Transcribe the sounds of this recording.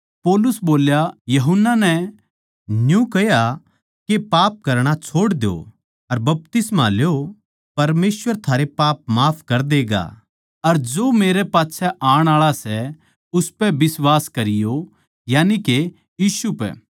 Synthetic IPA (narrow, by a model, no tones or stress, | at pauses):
pɔːlʊsboːljajɐɦʊnːanɛ | njũkɐja | kepaːp̚kɐɾɽ̃at͡ʃʰoːɽd̪jo̰ | ɐɾbɐp̚t̪ɪsmaljo | pɐɾmeːsʋəɾt̪ʰaːɾepaːp̚maːpʰkɐɾd̪eːɡa̰ | ɐɾd͡ʒoːmeːɾepaːtːsʰɛʔaːɽ̃aːɭasɛ | ʊspɛbɪswaːskɐɾɪjo | jaːnike | jiːsupɛ̰